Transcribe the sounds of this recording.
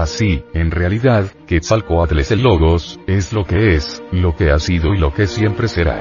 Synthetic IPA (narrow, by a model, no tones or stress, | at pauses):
asienre̞aliðaðkesalkoat̪leselo̞ɣo̞se̞slo̞ke̞eslo̞ke̞asiðo̞ilo̞ke̞sje̞mpɾe̞seɾa̰